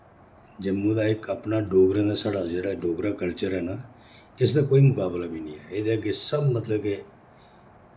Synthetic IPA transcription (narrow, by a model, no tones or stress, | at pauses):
d͡ʒɪmːũːd̪aːɪkəpnaːɖoːɡɾãːd̪aːsaːɖaːd͡ʒeːɽaːɖoːɡɾaːkəlt͡ʃəɾɦɛːnaː | ɪsd̪aːkoːiːmʊkaːblaːbiːnĩːɛːeːd̪eːəɡeːsəbmət̪ləbke